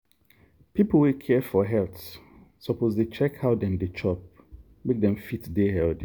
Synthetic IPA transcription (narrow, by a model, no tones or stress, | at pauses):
pipl̩wikʰɛfɔɦɛlts | sɔpʰozdet͡ʃɛkhaʊdɛ̃ndet͡ʃʰɔp̚ | mek̚dɛ̃mfitdeɦɛld